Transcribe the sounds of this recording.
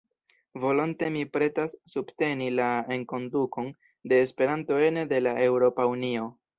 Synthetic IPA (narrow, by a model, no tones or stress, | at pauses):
vo̞lonte̞mipɾe̞tasːubte̞nilae̞ŋko̞nduko̞n | de̞ːspe̞ɾanto̞e̞nede̞laʔe̞wɾo̞paunio̞